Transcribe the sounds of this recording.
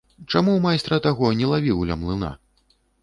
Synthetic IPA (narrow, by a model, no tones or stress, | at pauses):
t͡ʂamumajst̪ɾɐt̪aɣɔnʲɛlˠavʲiwlʲɐmlˠɨna̰